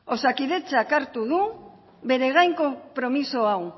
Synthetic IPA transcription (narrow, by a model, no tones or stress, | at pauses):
o̞sakiðe̞t͡sakaɾt̪uðu | βe̞ɾe̞ɣ̞ajŋko̞pɾo̞miso̞aw